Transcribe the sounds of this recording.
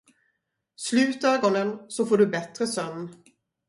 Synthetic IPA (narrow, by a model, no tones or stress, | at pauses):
slʉ̟ːt̪œːɡɔnənsɔfoːɖɵbɛt̪ɾəsœnː